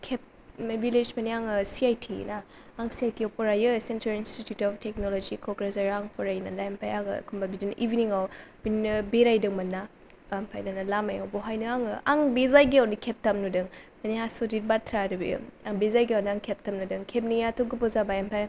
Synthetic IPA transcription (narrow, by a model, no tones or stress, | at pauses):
kʰep̚ | mbiled͡ʒmɐniaŋsiajtʰḭnaː | ŋsiajtiawpʰɔɾajɯsentɾɐlinstitjutɔp̚ʰtʰeknolod͡ʒikʰɔɡɾes̬aɾaŋpʰɔɾajnɐlajampʰajaɡ̰kʰumbabidinʔibiniŋawb̥innɯbeɾajdɯŋmɐnːa | mpʰajdanɐlamaja̰wbɔɦajnɯaŋaŋbezajɡiawnikʰep̚tɐmnudɯŋmɐniasodit̚batʰɾaɾɯbḭaŋbezajɡiawniaŋkʰep̚tɐmnudɯŋkʰep̚nijatʰɔɡɯpɔzabajampʰaj